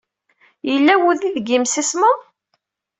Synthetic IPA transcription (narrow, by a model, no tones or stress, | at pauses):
jəlːæwuðiðɡimsisməð